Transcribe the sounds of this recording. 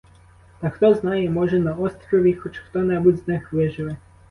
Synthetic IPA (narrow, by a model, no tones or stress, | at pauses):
t̪ɐxt̪ɔznɑjɛmɔʒɛnɐɔst̪ɾɔʋʲixɔt͡ʃxt̪ɔnɛbudʲznɪxʋɪʒɪlɪ